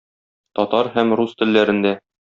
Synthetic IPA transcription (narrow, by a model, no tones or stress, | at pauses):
t̪ɒt̪ɑɾhæmɾust̪ɘ̆lːæɾɘ̆nd̪æ